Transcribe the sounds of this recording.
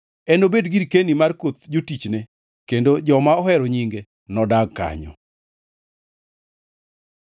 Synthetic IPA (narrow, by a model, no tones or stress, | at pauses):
ɛnobedɡiɾkenimarkot̪d͡ʒotit͡ʃne | kendod͡ʒɔmaɔhɛɾɔɲiŋɡe | nɔdaɡ̚ka̰ɲɔ̰